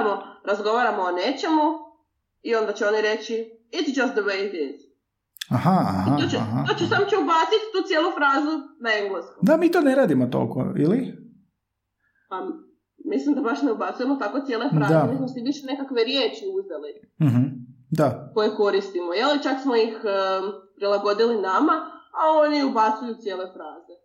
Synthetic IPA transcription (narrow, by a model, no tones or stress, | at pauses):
moɾazɡo̞ʋaːɾamoːneːt͡ʃe̞mu | io̞nd̪at͡ɕɛo̞niɾe̞t͡ʃi | it̪d͡ʒast̪d̪əwejd̪iz | ahaa̰hiat̪ot͡ʃɛɦat̪ot͡ʃusamt͡ʃɛubaːt̪sit̪t̪uːt̪jelˠufɾaːzunaeŋɡleskud̪amiːt̪oːneɾaːd̪imot̪o̰ko̰ḭli | a | mislimd̪abaʃneubat̪suje̞mot̪ako̞t̪jelefɾaːd̪aemismosibiʃenekakʋe̞ɾjeːt͡ʃiuzeli | m̩ɦm̩d̪ako̞jeko̞ɾist̪imojelit͡ʃaksmoix | pɾilˠaɡo̞d̪ilinamaao̞niubat̪sujut̪sjeːle̞fɾaːze